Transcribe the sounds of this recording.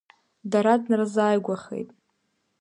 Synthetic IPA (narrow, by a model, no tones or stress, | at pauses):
daɾadnrzaːjɡʷaχḛjtʼ